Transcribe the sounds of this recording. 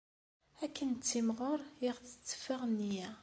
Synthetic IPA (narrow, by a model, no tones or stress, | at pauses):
ækːənt͡sːimʁʊɾˤjiʁt͡sːə̥t͡sːə̥faʁnːijæ